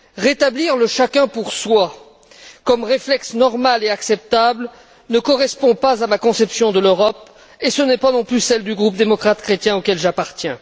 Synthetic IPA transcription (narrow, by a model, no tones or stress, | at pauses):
ʁet̪abliʁləʃakʲɛ̃puʁswa | kɔmʁeflɛksnɔʁmaleaksɛp̚t̪abl | nəkɔʁɛspɔ̃pazamakɔ̃sɛpsjɔ̃d̪əløʁɔp | esənɛpanɔ̃plysɛld̪yɡʁup̚d̪emɔkχat̪kχet̪jɛ̃okʲɛlʒapaʁt̪jɛ̃